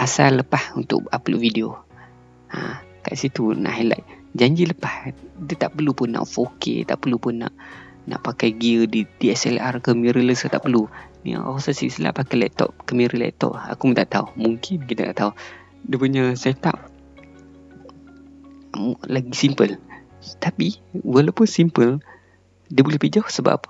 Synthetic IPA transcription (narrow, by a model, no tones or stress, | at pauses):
ʔasalːəpahunt̪ʊ̰ʔapəlo̰ʔvidio | akaʔsit̪una̰ʔhila̰ʔ̚d͡ʒaɲd͡ʒiləpahdət̪aʔpəlupʊnːa̰ʔfokʰḛt̪a̰ʔpəlupʊnːa̰ʔ | na̰ʔpakajɡiədidiɛsɛlarkəmiɾələsət̪a̰ʔpəlunḭa̰osasisla̰ʔpakajlɛt̪ɔ̰p̚kəmiɾəlɛ̰t̪ɔ̰p̚a̰kumət̪aʔt̪aumuŋkɪnkit̪at̪a̰ʔt̪au | dəpuɲasɛjat̪a̰p̚ | laɡisimpəl | t̪apiwalawpʊnsimpəl | diəbulɛhpid͡ʒɔhsəba̰p̚